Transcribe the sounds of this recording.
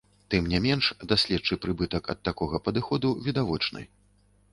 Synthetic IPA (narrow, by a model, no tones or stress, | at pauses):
t̪ɨmnʲɛmʲɛnʂd̪asʲlʲɛd̪t͡ʂɨpɾɨbɨt̪ɐkɐ̰t̪ːakɔɣɐpɐd̪ɨxɔd̪uvʲid̪avɔt͡ʂnɨ̰j